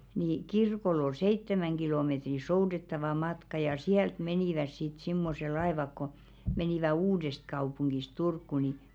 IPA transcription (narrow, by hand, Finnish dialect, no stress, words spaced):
ni kirkolː ol seitːemæŋ ɡ̊iloˑmetri soudetːɑʋɑ mɑtkɑ jɑ siælt meniˑʋæs sit simːose lɑeʋɑk ko meniˑʋæ uːdest̆kɑupuŋɡ̊is turkːu ni